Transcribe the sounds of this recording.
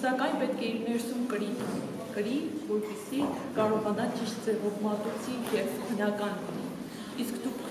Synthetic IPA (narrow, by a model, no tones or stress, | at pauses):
sɑkɑjnpɛt̪kʰɛiɾnɛɾsumkəɾi | kəɾivɔɾpisi | kɑɾɔʁɑnɑt͡ʃiʃt̪d͡zɛvɔvmɑt̪ut͡sʰijɛvbənɑkɑn | iskd̪ukʰ